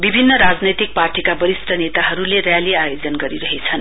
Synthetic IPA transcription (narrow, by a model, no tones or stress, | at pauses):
bibʱinːʌɾad͡znʌjt̪ik̚parʈʰikabʌɾisʈʰʌnet̪aɦʌɾulerjaliajod͡zʌnɡʌɾiɾʌɦet͡sʰʌn